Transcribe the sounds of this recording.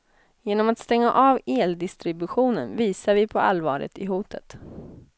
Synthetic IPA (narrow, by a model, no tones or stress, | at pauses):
jeːnɔmat̪st̪ɛŋːa̰ʔɑːveːld̪ɪst̪ɾɪbɵɧuːnənviːsaɾvɪpʰɔa̰lvɑːɾə̰t̪ɪɦuːt̪ʰət̪